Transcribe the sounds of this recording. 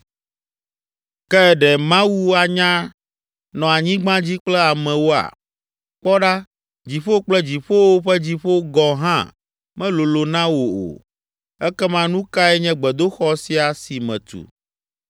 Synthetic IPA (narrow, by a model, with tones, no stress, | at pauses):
kɛ˦ɛ˨ɖɛ˨mã˦wu˦a˨ɲã˦ | nɔ̃˨a˨ɲĩ˦ɡ͡bã˦d͡ʑi˦k͡plɛ˦a˨mɛ̃˨wo˦a̰˨ | k͡pɔ˦ɖa˦ | d͡ʑi˨ɸo˦k͡plɛ˦d͡ʑi˨ɸo˦wo˦ɸɛ˦d͡ʑi˨ɸo˦ɡɔ̃˨ɦã̰˦ | mɛ̃˦lo˨lo˨nã˦wo˨o̰˨ | ɛ˦kɛ˦mã˦nũ˦ka˦ɛ˦ɲɛ̃˦ɡ͡bɛ˨d̪o˦xɔ˦si˦a˨si˨mɛ̰̃˨t̪ṵ˨